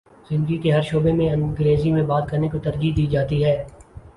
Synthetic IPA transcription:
z̥ɪ̃nd̪ɡikeɦɐɾʃoːbemẽɐ̃nɡɾeːzimẽbaːd̪̚kɐɾnekot̪ɐɾd͡ʒid̪iːd͡ʒaːt̪iɦɛː

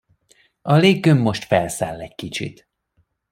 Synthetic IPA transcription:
ɒleːɡːømːo̞ʃt̪fɛlsaːlːɛc̚kit͡ʃḭt̪

